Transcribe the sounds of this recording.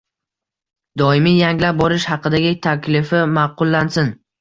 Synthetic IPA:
d̪ɒɪmijaŋlap̚bɒɾɪʃhɑqɨd̪aɡʲɪt̪ʰakʲʰlɪfɪmɑqʰʊlˠːansɪn

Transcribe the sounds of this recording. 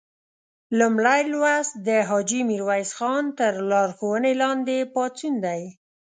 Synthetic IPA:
lumɽajlwasd̪əɦɑd͡ʒimiɾwajsxɑnt̪əɾlɑɾxowənelɑnd̪epɑt͡sund̪aj

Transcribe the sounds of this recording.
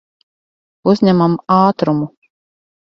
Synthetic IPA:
uzʲɲʲæmamaːt̪ɾumu

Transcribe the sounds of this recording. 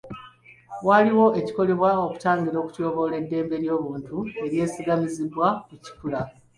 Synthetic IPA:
waliwo̞e̞ci̥ko̞le̞βwao̞ku̥taːŋɡiɾo̞ːku̥co̞ːβo̞le̞dːe̞ːmbe̞ɾjo̞ːβuːntue̞ɾje̞ːsiɡamizibwakuci̥kula

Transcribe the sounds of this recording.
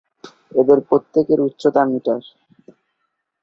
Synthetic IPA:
ed̪eɾpɾot̪ːekeɾut̪ːɕʰot̪amiʈaɾ

